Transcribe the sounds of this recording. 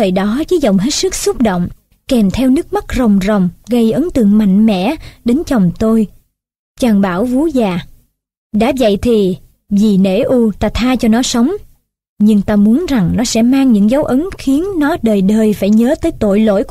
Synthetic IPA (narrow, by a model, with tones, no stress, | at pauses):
əː˨˩jɗɔ˨˦vəː˨˦jzə˨˩wŋ͡mɦe˦˥t̚sɨ˦˥k̚sʊ˦˥k͡p̚ɗo̰˧˨wŋ͡m | kɛ˨˩mt̪ʰɛ˧wnɨ˦˥ək̚ma˦˥k̚zə˨˩wŋ͡mzə˨˩wŋ͡mɣə˧jʔə˨˦ŋt̪ɨ̰˧˨əŋma̰˧˨jŋ̟mɛ̰˧˥ɗe˨˦nt͡ɕə˨˩wŋ͡mt̪o˧j | t͡ɕaː˨˩ŋɓaː˧˩wvu˨˦zaː˨˩ | ɗa̰ː˧˥və̰˧˨jt̪ʰi˨˩ | vi˨˩nḛ˧˥ʔu˧t̪aː˧t̪ʰaː˧t͡ɕɔ˧nɔ˨˦sə˨˦wŋ͡m | ɲɨ˧ŋt̪aː˧mu˨˦ənza˨˩ŋnɔ˨˦sɛ̰˧˥maː˧ŋɲɨ̰˧˥ŋza˨˦wʔə˨˦ŋxi˨˦ənnɔ˨˦ɗəː˨˩jɗəː˨˩jfaː˧˩jɲəː˨˦t̪əː˨˦jt̪o̰˧˨jlo̰˧˥˨j